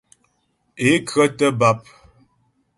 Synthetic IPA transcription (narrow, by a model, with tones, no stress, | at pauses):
e˨˦kɰə˦tə˦ba˦p̚